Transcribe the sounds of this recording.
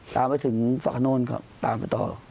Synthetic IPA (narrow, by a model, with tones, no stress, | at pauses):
t̪aː˨˧mpa˧jt̪ʰɯ˩˦ŋfa̰ː˨˩kʰnoː˧˩˨nkʰa̰˦˥p̚t̪aː˧mpa˧˩jt̪ɔ̰ː˨˩